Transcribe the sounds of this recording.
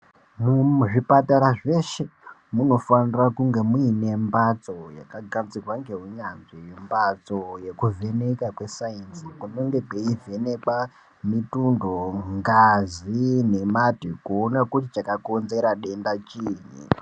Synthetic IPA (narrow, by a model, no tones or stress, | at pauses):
muʐipataɾaʐe̞ʃe̞ | muno̞fanirakuŋɡe̞muine̞mbat͡so̞ja̰kaɡʱanzirwaŋɡe̞ɦuɲanʐijimbat͡soje̞kuvʱe̞ne̞kakwe̞sajinsikunoŋɡe̞ɡeivʱe̞ne̞ɓa | mitundoŋɡazine̞matikuonakutit͡ʃakako̞nze̞ɾaɗe̞ndat͡ʃiːɲḭ